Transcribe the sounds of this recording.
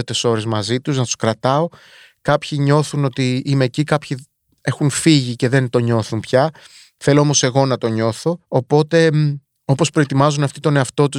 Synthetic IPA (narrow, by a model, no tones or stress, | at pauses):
t̪e̞so̞ɾe̞zmɐzit̪uznɐt̪u̥skɾɐt̪ɐo̞ | kɐpçiɲo̞θuno̞t̪iimeːcikɐpçi | e̞xunfiʝice̞ðe̞nt̪o̞ɲo̞θunpçɐ | θe̞loomo̞se̞ɣo̞nɐt̪o̞ɲo̞θo̞ːpo̞t̪e̞ | o̞po̞spɾo̞et̪imɐzunɐft̪it̪o̞ne̞ɐft̪o̞t̪u